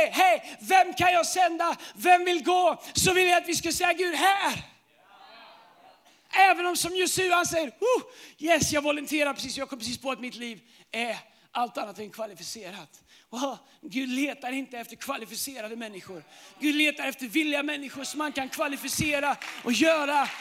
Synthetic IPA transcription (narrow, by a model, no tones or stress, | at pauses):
ɦɛjvɛmkʰanjɑːɡsɛnd̪avɛmvɪlɡoːsɔvɪlːəjat̪vɪskasɛjːaɡʉ̟ːd̪ɦæːɾ | ʔɛːvənɔmsɔmjɵst̪ʉ̟ːhansɛjːəɾʊjɛsjɑːɡvɔlənt̪ʰeːɾaɾpɾɛsiːsɔmjɑːɡkɔmːpɾɛsiːspʰɔat̪mɪt̪liːv | ɛɾ | ʔalt̪anːat̪ɛnkʰvalɪfɪseːɾat̪ | waʊ | ɡʉ̟ːd̪leːt̪aɾɪnt̪əɛft̪əɾkʰvalɪfɪseːɾad̪əmɛnːɪɧʊɾɡʉ̟ːd̪leːt̪aɾɛft̪əɾvɪlːɪamɛnːɪɧʊʂɔmhankankʰvalɪfɪseːɾaʔɔjœːɾa